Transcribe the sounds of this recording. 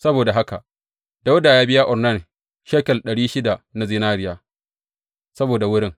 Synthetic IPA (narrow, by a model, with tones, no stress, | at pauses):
sɐ˦boː˨da˨ɦa˦ka˨ʔ | d̥a˦wʊ˦daː˨jaː˦bɪ˦ja˦ʔɔ˨rna˦˨n | ʃeː˦kɐ˨lɗɐ˨ɽiː˦ʃɪ˦da˨na˨zɪ˦naː˦ɾɪ˦jaː˨ | sɐ˦boː˨da˨wʊ˦ɽɪ˦ŋ